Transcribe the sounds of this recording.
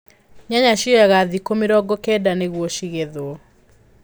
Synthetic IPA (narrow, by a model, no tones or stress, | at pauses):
ɲaɲaʃiɔjaɣaðikomeɾɔɡɔkɛdaneɣwɔʃiɣeðoɔ